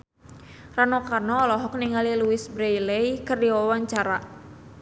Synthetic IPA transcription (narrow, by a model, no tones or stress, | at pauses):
ranɔkarnɔːlɔɦɔk̚niŋaliluwɪsbɾɛjlɛjkɨrdiwawaɲt͡ʃaɾa